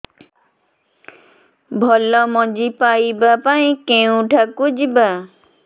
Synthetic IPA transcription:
bʱɔlɔmɔ̃d͡ʒipaibapaĩkẽũʈʰakʊd͡ʒiba

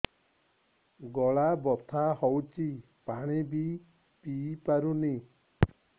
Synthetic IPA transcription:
ɡɔɭabɔt̪ʰahɔwt͡ʃi | paɽ̃ibi | pipaɾuni

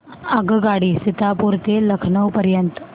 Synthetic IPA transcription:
əɡɡaɽiːsit̪apuɾt̪eləkʰɳəwpəɾjənt̪

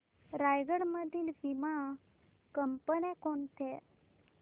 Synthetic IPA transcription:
ɾajɡəɽməd̪ʱiːlʋima | kəmpənẽkont̪ʰɛ

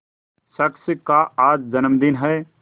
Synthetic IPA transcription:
səksɪkaaːd͡ʒd͡ʒənmd̪ɪnɦɛː

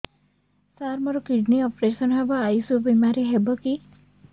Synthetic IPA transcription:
saɾmɔɾɔkiɖniɔpɾesɔnɦebɔajsubemaɾiɦebɔki

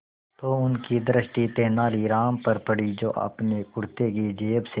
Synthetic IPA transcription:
t̪oːʊnkid̪əɾəʃʈit̪eːnaːliɾaːmpɐɾpɐɽid͡ʒo̰ːʔɐ̰pnekʊɽt̪ekid͡ʒeːbse

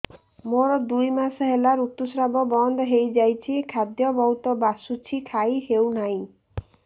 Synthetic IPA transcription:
moɾɔd̪ujmasɔɦelaɾut̪ːusɾabɔbɔnd̪ɔɦejd͡ʒajt͡ʃʰikʰad̪jɔbɔɦut̪ɔbasut͡ʃʰikʰajɦewnaj̃

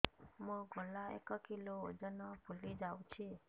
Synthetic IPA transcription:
mũɡʱɔlaḛkəkiloːd͡ʒənɔpulid͡ʒawt͡ʃʰi

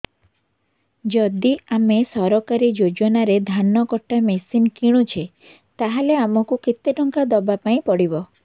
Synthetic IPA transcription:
d͡ʒɔd̪iamesɔɾɔkaɾid͡ʒod͡ʒɔnaɾed̪ʱanːɔkɔʈːamesinkiɽ̃ut͡ʃʰe | t̪aɦaleamɔkukit̪ːeʈɔŋkad̪ɔbapaĩpɔɽibɔ

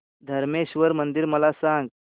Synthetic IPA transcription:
d̪ʱəɾmeɕʋəɾmənd̪iɾməlasãŋɡ

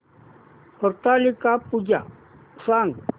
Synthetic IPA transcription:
hɔɾt̪alikapud͡ʒa | saːŋ

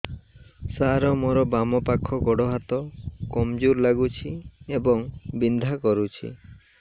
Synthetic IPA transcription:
saɾɔmɔɾɔbamɔpakʰɔɡɔɽɔɦat̪ɔkɔmd͡ʒuɾlaɡut͡ʃʰiebɔŋbind̪ʱakɔɾut͡ʃʰḭ

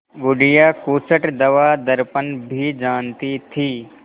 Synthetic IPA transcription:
ɡʊɖɪjaːkuːsəʈd̪ɐʋad̪ɐɾpənbʱid͡ʒaːnt̪it̪ʰiː

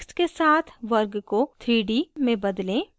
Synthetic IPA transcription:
kskesaːt̪ʰʋɐɾɡkot̪ʰɾiːɖimẽbɐd̪lẽː

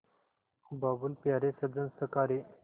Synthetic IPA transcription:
babulpjaɾesəd͡zənsəkaɾe

